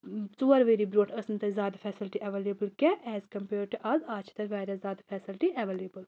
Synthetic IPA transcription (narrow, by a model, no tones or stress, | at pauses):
t͡suːəɾʋeːɾiːbɾoːʈʰəsnt̪ezaːd̪pʰɛːsɪlʈiʔɛʋeːlebəlkɛʔɛːzkɐmpɛːɾʈuʔazaːt͡ʃʰt̪ɐɾʋaːɾɐzaːd̪fʰɛːsɪlʈiʔɛʋeːleːbəl